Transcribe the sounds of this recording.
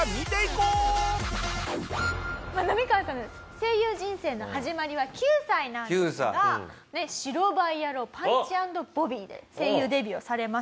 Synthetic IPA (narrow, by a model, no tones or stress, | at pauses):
mʲit̪eikoː | manamʲikakan | se̞ːjɯːʑĩɰ̃se̞ːno̞haʑimaɾʲiβakʲɨːsainãŋɯːsa̰ɡa | ne̞ɕiɾo̞baijaɾo̞ːpãɲt͡ɕiãnd̪o̞b̥o̞bʲiːd̪ḛse̞ːjɯːd̪e̞bʲiosaɾe̞ma